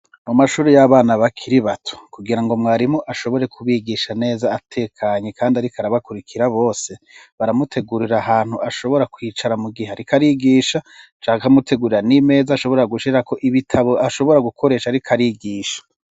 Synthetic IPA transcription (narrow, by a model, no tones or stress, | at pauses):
mumaʃuːɾejaβaːnaβakʰiɾiβatʰo̥kuɡiɾaŋɡo̞mŋwaːɾimoʔaʃo̞βo̞ɾe̞kʰuβiɡiʃane̞ːzaːtʰe̞ːkʰaɲekʰaːndiaɾikʰaɾaβakuɾikʰiɾaβo̞ːse | βaɾamutʰe̞ɡuɾiɾaɦaːn̥huʔaʃo̞βo̞ɾakwiːt͡ʃaɾamuɡiheaɾikaɾiɡiːʃat͡ʃaːakamutʰe̞ɡuɾiɾanime̞ːzaːʃo̞βo̞ɾeaɡuʃiɾako̞ʔiβitʰaβo̞ʔaʃo̞βo̞ɾaɡukʰo̞ɾe̞ːʃaɾikʰaɾiɡiːʃḁ